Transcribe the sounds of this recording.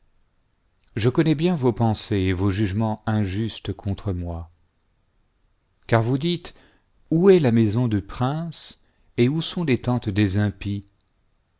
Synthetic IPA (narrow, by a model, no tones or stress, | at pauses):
ʒəkɔnɛbjɛ̃vopɑ̃seevoʒyʒmɑ̃ɛ̃ʒyst̪kʰɔ̃t̪χəmwa | kaʁvud̪it̪ | uɛlamɛzɔ̃d̪ypχɛ̃s | eusɔ̃let̪ɑ̃t̪d̪ezɛ̃pi